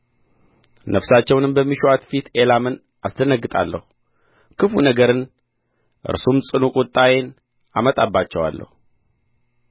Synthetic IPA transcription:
nʔəfsat͡ʃːɛwnɨmbəmːiʃuwat̪fit̪ʰelamɨn | ʔasd̪ənəɡːɨt̪ʼa̰lːə̰hu | kʰɨfunəɡəɾɨn | ʔɨ̰ɾsumsʼɨnukʼut̪ʼːajen | a̰mət̪ʼabːat͡ʃːɛwa̰lːə̰hu

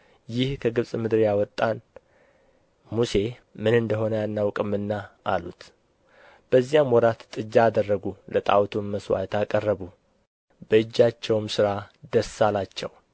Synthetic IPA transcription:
jɪhkʰəɡɨβsʼmɨd̪ɾjawɔt̪ʼːan | muse̞mɨnɨnd̪əɦo̞nəjanːawkʼɨmɨnːaʔa̰lut̪ | b̥əzːijamwɔɾat̪t̪ʼɨd͡ʒːaːd̪ərːəɡulət̪ʼa̰wt̪ʰumməswa̰t̪ʰakʼərːəβu | bəɨd͡ʒːat͡ʃːɛwmsɨɾad̪əsalat͡ʃːɛ̰w

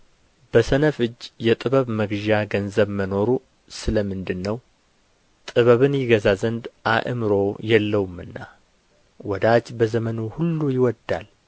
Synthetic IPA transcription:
b̥əsənəfɨd͡ʒːjɛt̪ʼɨβəβməɡʒaɡənzəβməno̞ɾu | sɨləmɨnd̪ɨnːəw | t̪ʼɨβəβɨnjɪɡəzazənd̪ʔaʔɨ̰mɨɾo̞jɛlːəwumɨnːa | wɔd̪ad͡ʒbəzəmənuhulːujɪwɔd̪al

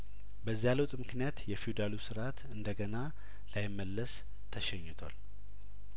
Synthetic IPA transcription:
bəzːijaləwt̪ʼmɨknijat̪jɛfiud̪alusɨɾat̪ɨnd̪əɡəna | lajɪmːəlːəs | t̪ʰəʃɛɲːɪt̪ʰwa̰l

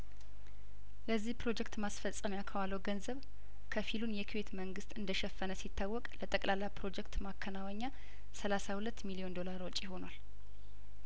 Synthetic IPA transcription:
ləzːihpɾo̞d͡ʒɛkt̪masfəsʼəmjakʰəwalːəwɡənzəβ | kʰəfilunjɛkʰiwe̞t̪məŋɡɨst̪ʼɨnd̪əʃɛfːənəsit̪ːawːɔkʼlət̪ʼəkʼlalːapʰɾo̞d͡ʒɛkt̪makʰːənawəɲːa | səlasahulət̪ːmilio̞nd̪o̞laɾɔt͡ʃʼːjɪho̞nwal

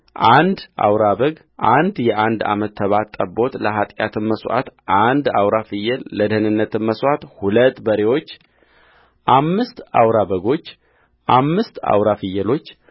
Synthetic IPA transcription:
ʔand̪ʔa̰wɾaβəɡ | ʔand̪jɛʔand̪a̰mət̪ʰːəβat̪ʼːəbo̞t̪ləɦat̪ʼjat̪ʰɨnməsʔa̰t̪ʔand̪awɾafɨjɛlːəd̪əhnɨnːət̪ɨnməswʔat̪hulət̪ːbəɾewo̞t͡ʃː | ʔamːɨst̪a̰wɾaβəɡo̞t͡ʃː | ʔamːɨst̪a̰wɾafɨjːɛlo̞t͡ʃː

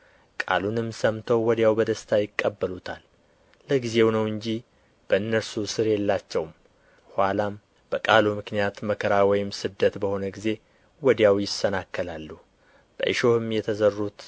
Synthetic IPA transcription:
kʼa̰lunɨmːsəmt̪ʰəwːɔd̪jawbəd̪əst̪ʰajɪkʼːəbːəlut̪ʰalː | əɡize̞wnəwɨɲd͡ʒi | b̥əɨnːəɾsusɨɾjɛlːat͡ʃːɛwm | hwʷalam | b̥əkʼalumɨknijat̪məkʰəɾawɔjɪmsɨd̪ːət̪bəho̞nəɡize̞ | wɔd̪jawjɪsənakːəlalːu | b̥ə̰ʔɨ̰ʃo̞hɨmjɛt̪ʰəzərːut̪

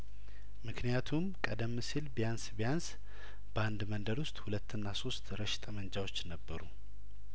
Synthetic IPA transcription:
mɨknijat̪ʰumkʼəd̪əmːsilbijansbijans | b̥əand̪mənd̪əɾwʊst̪ʼhulət̪ːɨnːaso̞st̪ɾəʃɪ̥t̪ʼəmənd͡ʒawo̞t͡ʃːnəbːəɾṵ

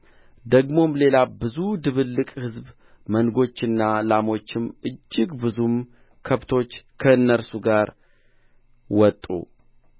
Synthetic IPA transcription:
d̪əɡmo̞mle̞labɨzud̪ɨβɨlːɨkʼhɨzb | mənɡo̞t͡ʃːɨnːalamo̞t͡ʃːɪmɨd͡ʒːɪɡbɨzum | kʰəβt̪ʰo̞t͡ʃːkʰəɨnːəɾsuɡaɾ | wɔt̪ʼːṵ

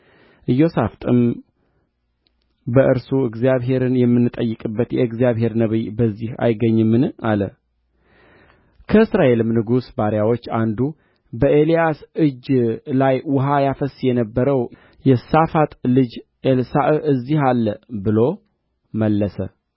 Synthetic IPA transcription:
ʔɨjːo̞saft̪ʼɨm | bəʔɨɾsuɨɡzijaβɦe̞ɾɨnjɛmːɨnːɨt̪ʼəjːɨkʼɨbːət̪jɛɨɡzijaβɦe̞ɾnəβibəzːiha̰jɡəɲːɨmːɨnalə | kʰəɨsɾae̞lɨmnɨɡusbaɾjawo̞t͡ʃːand̪u | bəʔelijasɨd͡ʒlajwʊɦajafəsjɛnəbːəɾəw | jɛsafat̪ʼlɨd͡ʒ | elsaʔɨzːihalːəbɨlo̞ | məlːəsə

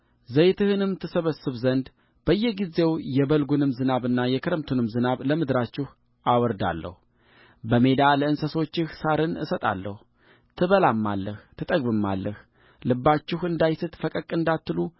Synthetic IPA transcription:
zəjt̪ʰɨhɨnɨmt̪ʰɨsəβəsːɨβzənd̪ | b̥əjːɛɡize̞wjɛβəlɡunɨmzɨnaβɨnːajɛkʰɨɾəmt̪ʰunɨmzɨnaβləmɨd̪ɾat͡ʃːɪh | awɔɾd̪a̰lːə̰hu | bəme̞d̪aləɨnsəso̞t͡ʃːɪhsaɾɨnɨ̰sət̪ʼa̰lːə̰h | t̪ʰɨβəlamːa̰lːəht̪ʰɨt̪ʼəɡbɨmːa̰lːəh | lɨbːat͡ʃːɪhɨnd̪ajsɨt̪fəkʼəkʼːɨnd̪at̪ːɨlu

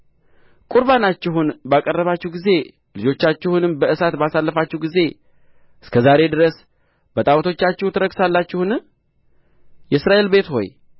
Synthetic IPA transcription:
kʼuɾβanat͡ʃːɪɦunbakʼərːəβat͡ʃːɛhɡize̞ | lɨd͡ʒo̞t͡ʃːat͡ʃːɪhunɨmbəʔɨsat̪basalːəfat͡ʃːɛhɡize̞ | ʔɨskʰəzaɾe̞d̪ɨɾəs | b̥ət̪ʼawt̪ʰo̞t͡ʃːat͡ʃːɛwt̪ʰɨɾəksalːat͡ʃːɪhunɨ | jɛsɾaʔe̞lbe̞t̪ho̞̰j

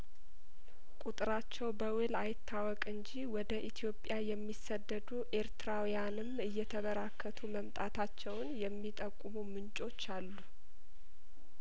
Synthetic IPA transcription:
kʼut̪ʼɨɾat͡ʃːɛwbəwɨlajɪt̪ʰːawɔkʼɨɲd͡ʒiwɔd̪əʔit̪ʰijo̞pʼjajɛmːisːəd̪ːəd̪uʔe̞ɾt̪ʰɨɾawjanɨmɨjːɛt̪ʰəβəɾakʰːət̪ʰuməmt̪ʼat̪ʰat͡ʃːɛwnjɛmːit̪ʼəkʼːumumɨnt͡ʃʼo̞t͡ʃːalːu

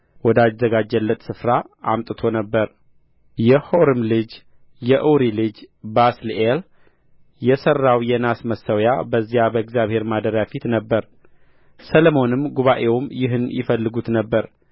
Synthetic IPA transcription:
wɔd̪azːəɡad͡ʒːəlːət̪sɨfɾaʔamt̪ʼɨt̪ʰo̞nəbːəɾ | jɛho̞ɾɨmlɨd͡ʒ | jɛʔuwɾilɨd͡ʒbaslel | jɛsərːawjɛnasməsːəwja̰bəzːijabəɨɡzijaβhe̞ɾmad̪əɾjafit̪nəbːəɾ | səlmo̞nɨmɡuβaʔe̞wmjɪɦɨnjɪ̰fəlːɨɡut̪nəbːəɾ

